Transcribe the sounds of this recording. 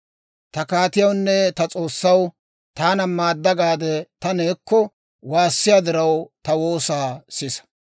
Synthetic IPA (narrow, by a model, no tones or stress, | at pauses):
t̪ɐkaːt̪ɪjɐwnːɛt̪ɐt͡sʼo̞ːsːɐw | t̪aːnɐmaːd̪ːɐɡaːd̪ɛt̪ɐneːkːɔ | waːsːɪjad̪ɪɾɐwt̪ɐwoːsaːsɪsɐ̥